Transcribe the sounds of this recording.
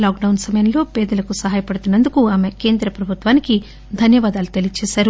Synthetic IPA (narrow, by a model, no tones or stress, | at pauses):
laːk̚ɖɐwnsɐmɐjɐmlo̞ːpɛːd̪ɐlɐkusɐɦaːjɐpɐɽut̪unːɐnd̪ukuaːmeke̞ːnd̪ɾɐpɾɐbʱut̪ʋaːniki | d̪ʱɐnjɐʋaːd̪aːlut̪elit͡ʃeːʃaːɾu